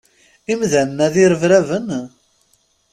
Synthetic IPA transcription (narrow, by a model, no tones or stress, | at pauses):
imðænnæðiɾəvɾævən